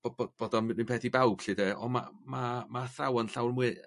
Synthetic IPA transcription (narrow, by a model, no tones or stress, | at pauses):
b̥obob̥oːdɔninpʰɛθibawb̥ɬɨdɛɔ̰ma̰mamaθawanɬawrmwɨ